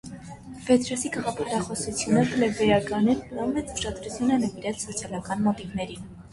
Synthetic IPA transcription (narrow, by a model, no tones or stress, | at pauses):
vɛt̪ʰɾɔsikɑʁɑpʰɑɾɑχɔsut͡sʰjunəklɛvɛjɑkɑnɛɾplɑnvɛt͡sʰvəʃɑd̪ɾut͡sʰjunənəviɾɛt͡ssɔt͡sʰjɑlɑkɑnmɔt̪ivnɛɾin